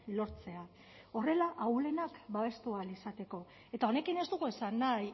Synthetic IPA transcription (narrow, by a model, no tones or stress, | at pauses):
lo̞ɾt͡se̞a | o̞re̞laʔawle̞nakbaβe̞st̪ualisat̪e̞ko̞ | e̞t̪ao̞ne̞kine̞zd̪uɣuesanːaj